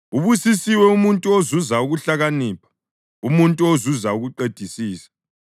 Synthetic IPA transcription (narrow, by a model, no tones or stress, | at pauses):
uβusisiwɛumuntʼuozuzauɣuɬaɣaniːpʰḁ | umuntʼuozuzauɣuǃed̥ʱisiːsḁ